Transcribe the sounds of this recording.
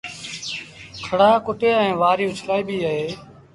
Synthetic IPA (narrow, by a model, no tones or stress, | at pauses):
kʰəɽaːkʊʈeːẽːʋaːɾijõːt͡ʃʰɪlaːiːbiːaːɦeː